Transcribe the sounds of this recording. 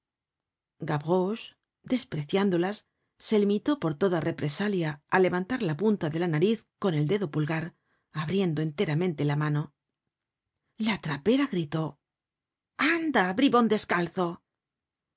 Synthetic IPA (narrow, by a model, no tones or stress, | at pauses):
ɡaβɣoʃ | d̪e̞spɾe̞θjand̪o̞lasː | e̞limit̪o̞po̞ɾt̪o̞ðare̞pɾe̞saljaale̞βant̪aɾlapunt̪aðe̞lanaɾiθko̞ne̞ld̪e̞ðo̞pulɣaɾ | aβɾje̞nd̪o̞e̞nt̪e̞ɾamẽ̞nt̪e̞lamano̞ | lat̪ɾape̞ɾaɣɾit̪o̞ | and̪abɾiβound̪e̞skalθo̞